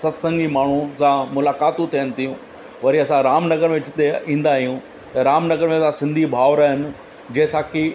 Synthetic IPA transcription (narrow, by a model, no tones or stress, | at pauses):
sɐt̪sɐ̃ŋɡimaːɳ̤ũsãmʊlaːkaːt̪ũt̪ʰijənɪ̆t̪ʰijũ | ʋɐɾiɐsãɾaːmnɐɡəɾmeʋɪt͡ɕʰɪt̪eĩːn̆d̪aːɦijũ | t̪ɐɾaːmnɐɡəɾmẽɐsãsɪ̃nd̪ʱibʱaːʋɾaɦɪnɪ̆ | d͡ʑeːsaːki